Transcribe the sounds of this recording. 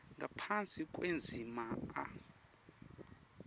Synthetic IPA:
ŋɡʱapʰant͡sʼikʼwend͡zʱimaa̰

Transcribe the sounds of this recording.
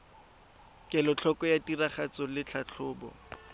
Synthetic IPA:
kʼɛlɔt͡ɬʰɔkʼɔjatiraχat͡sɔlɪt͡ɬʰat͡ɬʰʊːbɔ̰

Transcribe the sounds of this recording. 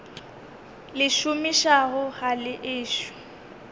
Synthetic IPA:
lɪʃʊmiʃaɣʊɣalɪʔɪːʃʊ̥

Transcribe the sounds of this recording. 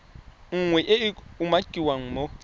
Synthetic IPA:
ŋ̩ŋwɛʔɪɪumakʼiwaŋ̩mo

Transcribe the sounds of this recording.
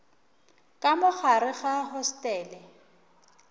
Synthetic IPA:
kʼamʊχaɾɪɣaɦɔstʼɛːlɛ

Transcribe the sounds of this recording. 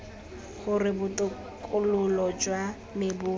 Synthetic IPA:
χʊrɪbʊtʼʊ | kʼʊlʊlɔd͡ʒwa | mɪbʊ

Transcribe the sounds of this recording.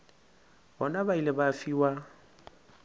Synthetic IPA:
bɔnabailɪbafiːwa

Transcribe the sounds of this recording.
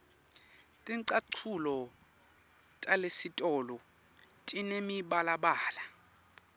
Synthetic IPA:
tʼiǀaǀʰulɔ | tʼalesitʼɔːlɔ | tʼinemiɓalaɓaːla

